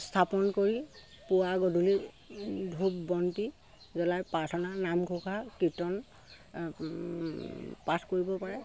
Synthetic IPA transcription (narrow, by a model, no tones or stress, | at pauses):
stʰapɔnkoɹi | puaɡɔdʱuli | dʱubbɔnti | zɔlajpatʰɔnanamɡʰʱukʰakitɔn | patʰkoɹibɔpaɹɛ